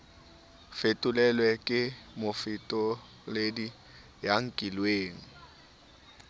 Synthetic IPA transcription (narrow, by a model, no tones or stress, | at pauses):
fetʼʊlɛlwɛkʼɪmʊfɪtʼɔ | ledi | jaŋ̩kʼilweːŋ̩